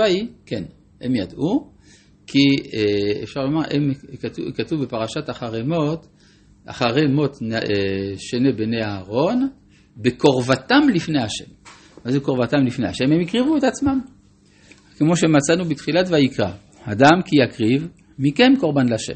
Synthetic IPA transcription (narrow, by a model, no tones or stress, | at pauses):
aiken | hḛmjad̪ʔu | kʰi | efʃaʁlomaʁʔemukatuvbepaʁaʃat̪aχaʁemo̞t̪ | ʔa̰χaʁemo̞t̪neʃenebeneaːʁo̞n | beko̞ʁvat̪amlifne̞jhaʃe̞̰m | mazuko̞ʁvat̪amlifnehaʃe̞memikʁivuet̪at͡smam | kemo̞ʃemat͡sanubit̪χilat̪vajikʁa | adamkijakʁiv | mikemko̞ʁbanlaʃḛm